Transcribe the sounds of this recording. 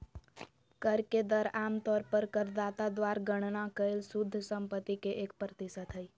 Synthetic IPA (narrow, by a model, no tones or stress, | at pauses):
kəɾked̪əɾaːmt̪ɔːɾpəɾkəɾd̪aːt̪ad̪waːɾɡəɽ̃nakəelsʊd̪ʱːsə̃mpət̪ːikeʔeːk̚pɾət̪ɪsət̪ɦəi